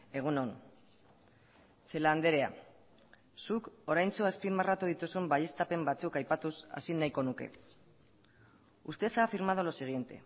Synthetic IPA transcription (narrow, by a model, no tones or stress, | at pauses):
e̞ɣ̞uno̞n | t͡se̞land̪e̞ɾe̞a̰ | suko̞ɾajnt͡soaspimarat̪uð̞it̪usumbaje̞st̪ape̞mbat͡sukajpat̪usa̰sinajko̞nuke̞̰ | ust̪e̞t͡safiɾmað̞olosiɣ̞je̞nt̪e̞̰